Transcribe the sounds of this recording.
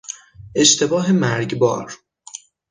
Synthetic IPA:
e̞ʃt̪ʰe̞bɒːɦemæɾɟbɒ̰ːɾ

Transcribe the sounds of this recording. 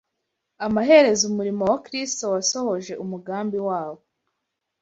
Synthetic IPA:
amaɦe̞ɾe̞zumuɾimowakɾisto̞waso̞ho̞ʒe̞ʔumuɡaːmbiwaːβo

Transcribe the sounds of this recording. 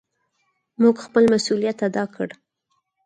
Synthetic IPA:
muɡxpəlmasulijat̪ad̪ɑkʰəɽ

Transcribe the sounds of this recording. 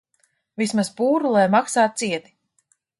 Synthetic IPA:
vismaspuːɾulˠajmaksaːt̪̚siɛd̪i̥

